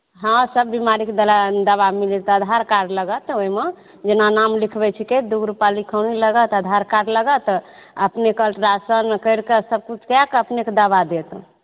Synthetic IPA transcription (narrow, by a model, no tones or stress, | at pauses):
ɦãsəbːimaɾiked̪ld̪əβamilit̪əd̪ʱaɾkaɾləɡət̪oime | d͡ʒenanamlikʰbɛt͡ʃʰiked̪uɡɾupalikʰəwniləɡət̪əd̪ʱaɾkaɖləɡət̪əpnekəlʈɾasənkəjɾkəsəb̚kut͡ʃʰkjakəpneked̪əbad̪et̪